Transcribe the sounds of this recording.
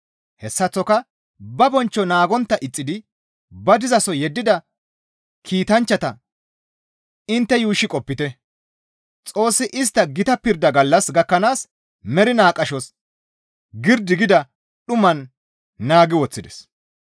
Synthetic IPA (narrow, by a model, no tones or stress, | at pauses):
hɛsːɐt͡sːɔkɐ | bɐbɔnt͡ʃːɔnaːɡɔnt̪ːɐʔɪt͡sʼːɪd̪ɪ | bɐd̪ɪzɐsɔjɛd̪ːɪd̪ɐ | kʰiːt̪ɐnt͡ʃːɐt̪ɐ | ɪnt̪ːɛjuːʃːɪkʼɔpːɪt̪ɛ | t͡sʼo̞ːsːɪʔɪs̬t̪ːɐɡɪt̪ɐpɪɾd̪ɐɡɐlːɐsɡɐkːɐnaːs | mɛɾɪnaːkʼːɐʃɔs | ɡɪɾd̪ɪɡɪd̪ɐ | ɗʊmɐnː | aːɡɪwɔt͡sːɪd̪ɛs